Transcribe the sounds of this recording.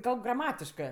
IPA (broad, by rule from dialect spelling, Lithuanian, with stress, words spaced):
ˈkɐlˠp ɡrɐˈmɑːtʲɪʃkɜ